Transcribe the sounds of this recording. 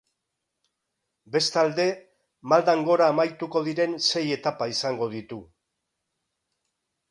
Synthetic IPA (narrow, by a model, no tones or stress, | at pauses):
be̞st̪ald̪e̞ | mald̪aŋɡo̞ɾaːmajt̪uko̞ðiɾe̞nse̞je̞t̪apaisaŋɡo̞ð̞it̪u